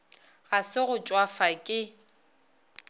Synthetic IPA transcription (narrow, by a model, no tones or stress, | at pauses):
ɣasɪɣʊt͡ʃʼwafakʼɪ